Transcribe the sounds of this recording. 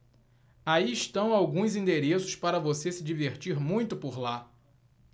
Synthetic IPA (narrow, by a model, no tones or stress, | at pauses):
aiɪʃt̪ɐ̃w̃awɡũzĩnd̪eɾesʊ̥spaɾɐvosesɪd͡ʒiveɾt͡ʃiɾmũj̃t̪ʊpoɾla